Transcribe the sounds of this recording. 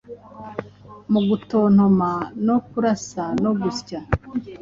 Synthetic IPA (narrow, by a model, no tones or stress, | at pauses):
muɡuton̥omanokuɾasanoɡusca